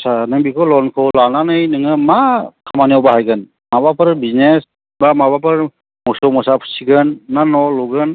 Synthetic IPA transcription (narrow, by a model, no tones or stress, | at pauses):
sanɯŋbikʰɔlɔnkʰɔlananɯjnɯŋɯmakʰamaniɔwbaɦajɡɯn | mabapʰɯɾbiznes | bamabapʰɯɾɾ | mɔsɔmɔsapʰɯ̥siɡɯnːanɔluɡɯn